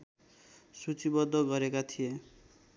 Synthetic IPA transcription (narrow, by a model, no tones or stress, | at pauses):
sut͡ʃibɔd̪ʱɔɡʌɾekat̪ʰie